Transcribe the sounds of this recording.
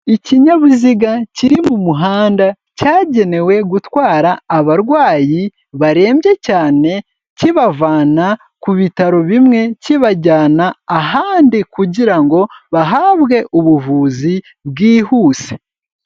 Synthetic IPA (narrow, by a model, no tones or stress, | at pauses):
iciɲaβuziɡaciɾimumuɦaːnda | caːɟe̞ne̞we̞ɡutwaːɾaːβaɾɡwaːji | βaɾe̞ːmbje̞caːne̞ | ciβavaːna | kuβitaɾo̞βimŋe̞ciβaɟaːnaːɦaːndikuɟiɾaŋɡo̞βaɦaːβɡe̞ʔuβuvuːzi | βɡiːhuːse̥